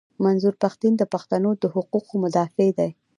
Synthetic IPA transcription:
manzuɾpaxt̪ind̪əpaxt̪anod̪əhʊquqomʊd̪ɑfed̪aj

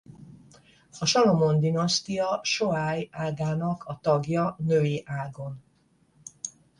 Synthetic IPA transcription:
hɒʃɒlomo̞nd̪inɒst̪ijɒʃoaːjaːɡaːnɒkʰɒt̪ɒɡjɒnøːiʔaːɡo̞n

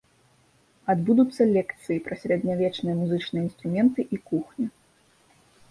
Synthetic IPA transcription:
ad̪bud̪ut̪sːɐlʲɛkt̪sɨjipɾɐsʲɾʲɛd̪ʲnʲavʲɛt͡ʂnɨjɐmuzɨt͡ʂnɨjəinst̪ɾumʲɛnt̪ɨʔikuxnʲi

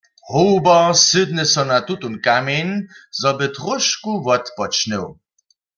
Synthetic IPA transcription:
howbɐsɨd̪nɨsɔnat̪ut̪unkamenzɔbɪt̪ʁɔʃkuvɔt̪pɔt͡ʃnɛw

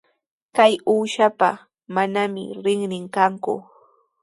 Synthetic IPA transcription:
kajuːʃapa | manamɪ̰ɾɪŋnɪŋkaŋkʊ̰

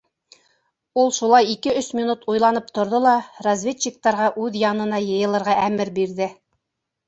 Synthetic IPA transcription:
ulˠʃulˠɑjikɘɵsmʲinut̪ujlˠɑnɤp̚t̪ŏɾðolˠɑrɐzvʲett͡ɕik̚t̪ɑɾʁɑʔʉðjɑnɤ̆nɑjɤ̆jɤ̆lˠɤ̆ɾʁɑʔæmɘɾbiɾðɘ

